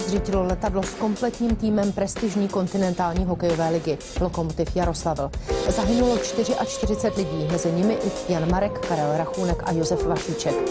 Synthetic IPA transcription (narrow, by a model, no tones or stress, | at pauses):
zriːcɪlolɛt̪adlo̞sko̞mplɛt̪ɲiːmt̪iːmɛmpɾɛst̪ɪʒɲiːko̞nt̪ɪnɛnt̪aːlɲiːɦo̞kɛjo̞vɛːlɪɡɪ | lo̞ko̞mot̪ɪfjaɾo̞slavl̩zaɦɪnulo̞t͡ʃt̪ɪr̝ɪʔat͡ʃt̪ɪrɪt͡sɛt̪lɪɟiːmɛzɪɲɪmɪʔɪjanmaɾɛkːaɾɛlɾaxuːnɛkʔa̰jo̞zɛfvaʃiːt͡ʃɛk